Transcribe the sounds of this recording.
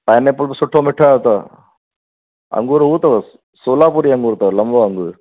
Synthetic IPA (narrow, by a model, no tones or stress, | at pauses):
pɐjɐnːepːɐlsʊʈʰːoːmɪʈːaːt̪ɐ | ɐ̰ŋɡuːɾuːt̪ɐʋɐs | suːlaːpuːɾiɐŋɡuːɾt̪ɐʋlɐmboɐŋɡuːɾ